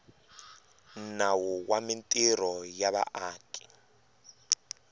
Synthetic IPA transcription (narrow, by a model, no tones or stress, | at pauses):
nawuwamintʼiɾɔjaβa̰ʔaːkʼi̥